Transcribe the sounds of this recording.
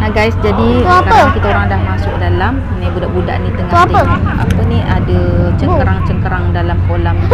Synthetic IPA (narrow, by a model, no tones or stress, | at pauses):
naɡajsd͡ʒadioakaəkit̪aoɾaŋdahmasʊk̚dalam | nibudaʔbuda̰ʔnit̪əŋaaəa̰pəniadət͡ʃəkəɾaŋt͡ʃəŋkəɾaŋdalamkolam